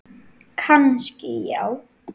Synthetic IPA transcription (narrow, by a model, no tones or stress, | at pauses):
kʰanscɪjaw